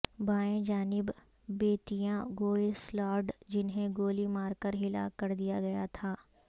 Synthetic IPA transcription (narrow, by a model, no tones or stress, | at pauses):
baːẽd͡ʒaːnɪbː | eːt̪ijãɡoːslɔːɖd͡ʒɪnɦẽɡoːlimaːɾkəɾɦɪla̰kɐɾd̪ijaɡɐjat̪ʰaː